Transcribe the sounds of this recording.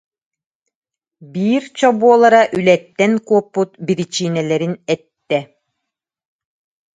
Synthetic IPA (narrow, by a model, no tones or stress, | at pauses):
biːɾt͡ɕɔbuɔlˠaɾaʔylɛt̪ːɛnkuɔpːut̪̚biɾit͡ɕiːnɛlɛɾinɛt̪ːɛ